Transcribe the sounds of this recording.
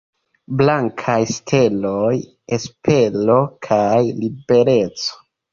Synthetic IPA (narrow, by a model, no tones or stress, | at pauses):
blaŋkʰajstʰe̞loj | espʰe̞lo̞kʰajlibe̞ɾe̞t͡so̥